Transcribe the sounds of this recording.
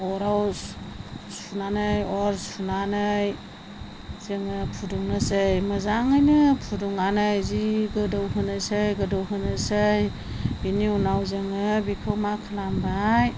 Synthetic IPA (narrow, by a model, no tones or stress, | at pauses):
ɔɾawssunanɯjɔɾsunanɯj | z̥ɯŋɯpʰuduŋnɯsɯjmɯzaŋɯjnɯpʰuduŋanɯjziɡɯdɯwɦɯnɯsɯjɡɯdɯwɦɯnɯsɯj | b̥iniunawzɯŋɯbikʰɯwmakʰɯlambaj